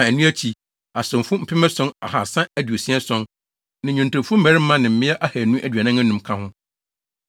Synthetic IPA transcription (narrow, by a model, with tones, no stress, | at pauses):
a˨æ˨nũ˦æ˦t͡ɕʰi˨ | a˨sɪ̃˨m˨fʊ˦m̩˦pʰɪ˦mɛ̃˦sɔ̃˦na̰˨ha˨sã˦æ˦du˨o˨sĩ˦ɛ˦sɔ̃˦n | nɪ̃˨ɲũ˨n˨tʊ̃˨fʊ˦m̩˦bæ˨ɾɪ˦m̩˦mã˦nɪ̃˨m̩˨mɪ̃˦ɛ˦ʔa˦hæ˨nũ˦ʔæ˨dɥæ˨nã˦ŋæ̃˦nũ˨mkʰã˦hʊ̃˦